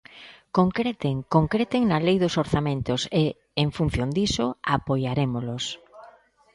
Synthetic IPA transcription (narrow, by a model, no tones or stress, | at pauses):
koŋkɾet̪eŋkoŋkɾet̪eŋnɐlejðʊsoɾθamẽnt̪ʊse | eŋfun̟θjond̪isʊapojaɾemolʊs